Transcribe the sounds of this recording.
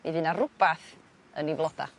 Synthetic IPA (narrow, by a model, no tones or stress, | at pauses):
niðɨnarʊb̥aθ | ənivlˠɔd̥a̰